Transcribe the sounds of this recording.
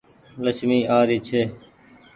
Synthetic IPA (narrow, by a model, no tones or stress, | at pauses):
ləsmiːʔaːɾiːt͡ʃʰeː